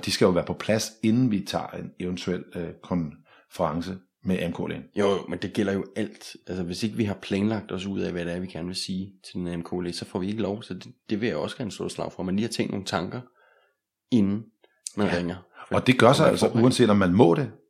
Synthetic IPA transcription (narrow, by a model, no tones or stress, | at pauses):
d̥isɡ̥æjo̝ʋæːɐpʰɒ̽pʰlæse̝nn̩ʋit͡sʰɑ̰̈ːeneʊənt͡sʰuel̰kʰɒ̽n | fəʁɑ̈ŋsə | meʔemkʰo̰ːlḛnjojmend̥e̝ɡ̥el̰ɐjo̝æl̰d̥ælsəʋe̝se̝ɡ̥əʋiɦɑ̈pʰlɛːnlɑ̈ɡ̥̚d̥ɒ̽s̬uð̞̰ˠɛʋæd̥eɐʋiɡ̥æɐnəʋe̝siːt͡sʰe̝d̥enemkʰo̰lḛsɒ̽fɒ̰ːʋie̝ɡ̥əlɒʊsɒ̽d̥ed̥e̝ʋe̝jaɒ̽sɡ̥æɐn̩sd̥o̝ɐ̰slɑ̈ʊ̰fɒmænliːhɑt͡sʰḛŋ̰d̥no̝ːŋn̩t͡sʰɑ̈ŋɡ̥ɐ | e̝nn̩ | mænʁeŋ̰ɐ̥ɒ̽d̥e̝ɡ̥ɶɐsɑɪæl̰sɐʔuænsḛːd̥ɒ̽mːænmɔ̰̽ːɾ̥e̝